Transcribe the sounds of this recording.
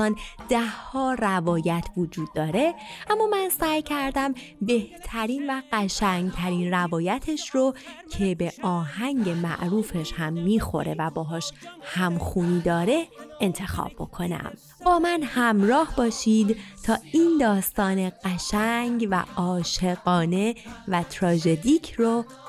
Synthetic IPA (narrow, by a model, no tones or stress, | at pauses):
ɒːnd̪̥æhːɒːrævɒːjæt̪ʰvod͡ʒuːd̪̚ːɒːɾeʔæmːɒːmænsæːjcʰæɾd̪æm | be̞ht̪ʰæɾiːnvæɢæʃæŋɡt̪ʰæɾiːnrævɒːjæt̪ʰeʃɾocʰe̞be̞ʔɒːhæŋɟe̞mæ̰ʔɾuːfe̞ʃhæmːiːxo̞̰ɾe̞̰væbɒːɦɒːʃhæmxuːniːd̪ɒːɾe̞ʔent̪ʰe̞xɒ̰ːb̥̚bo̞̰kʰo̞næ̰m | b̥ɒːmænhæmɾɒːhbɒːʃiːd̪t̪ʰɒːiːnd̪ɒːst̪ɒːne̞ɢ̥æʃæŋɟvæ̰ɒːʃe̞ɣɒːne̞væt̪ʰɾɒːʒe̞d̪iːcʰro